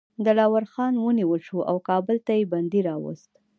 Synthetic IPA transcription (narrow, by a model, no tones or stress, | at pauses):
d̪əlɑwaɾxɑnwəniwəlʃuʔa̰wkɑbəlt̪ajeband̪iɾɑwə̰st̪